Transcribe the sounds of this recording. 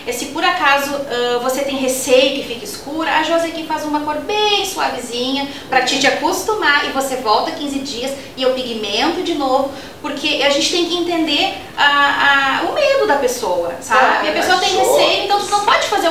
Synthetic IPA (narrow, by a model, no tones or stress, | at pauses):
ɛsɪpoɾakazʊɛ̃voset̪ẽj̃ɦesejʊkɪfikɐiskuɾɐʔaʒozɛkɪfazũmɐkoɾbẽj̃sua̰vɪzĩɲɐ | pɾɐt͡ʃɪt͡ʃɪakust̪umaʔɪvosevɔwt̪ɐkĩzɪd͡ʒiɐs | ɪewpiɡimẽnt̪ʊd͡ʒɪnovʊ | poɾkʰeʔaʒẽnt͡ʃɪt̪ẽj̃kɪẽnt̪ẽnd̪eɾ | aaʊmed̪ʊd̪ɐpesowɐ̰sabaɐpesoɐt̪ẽj̃hesejʊẽt̪ɐ̃w̃snɐ̃w̃pɔd͡ʒɪfaze